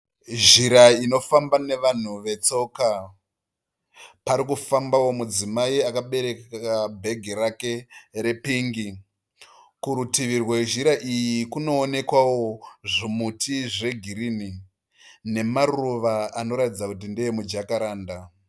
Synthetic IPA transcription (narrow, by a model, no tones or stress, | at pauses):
ʒiɾaino̞fambane̞ʋan̤uʋe̞t͡so̞ːka | paɾikufambawo̞mud͡zimaiakaɓe̞ɾe̞kkkabʱe̞ɡʱiɾake̞re̞piŋɡi | kuɾutiʋirweʒiɾaʔijikuno̞ːne̞kwawo̞ʐimutʰiʐe̞ɡʱiɾini | ne̞maruʋaano̞ɾatid͡zakut̬indejemud͡ʒakaɾaːnda